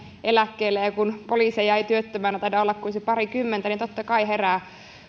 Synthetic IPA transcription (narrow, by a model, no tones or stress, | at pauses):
ʔelækːeilːejɑkunpoliːsejæit̪yøt̪ːømæːnæt̪ɑidɑolːɑkkunsepɑrikymːent̪ænint̪ot̪ːɑkɑiɦeræː